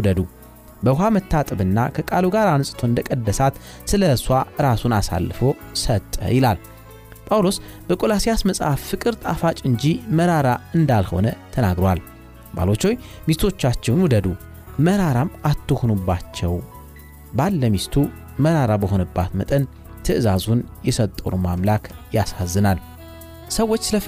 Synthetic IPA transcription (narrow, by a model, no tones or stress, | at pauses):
wud̪əd̪u | bəɦamət̪ːat̪ʼɨβɨnːa̰kʰəkʼaluɡaɾanɨsʼt̪ʰoɨnd̪əkʼəd̪ːəsat̪ | sɨləswaɨɾasunasa̰lːfo | sət̪ʼːə̰jɪlal | pʼawlos | b̥əkʼo̞lasijasməsʼhaffɨkʼɨɾt̪ʼafat͡ʃʼɨɲd͡ʒiməɾaɾaɨnd̪alho̞̰nət̪ʰənaɡɾowal | ba̰lo̞t͡ʃːoj | mist̪ʰo̞t͡ʃːat͡ʃːɛwnwud̪əd̪u | məɾaɾamat̪ʰːuhnubːat͡ʃːɛw | balːəmist̪ʰu | məɾaɾabəho̞nɨbːa̰t̪mət̪ʼən | t̪ʰɨʔɨzazunjɛsət̪ʼːəwnumamlakʰjasazːɨnal | səwːo̞t͡ʃːsɨlə